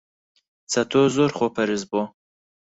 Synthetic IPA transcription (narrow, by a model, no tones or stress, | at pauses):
t͡sʰɐt̪ʰoːzoɾχopʰɐɾɨzbo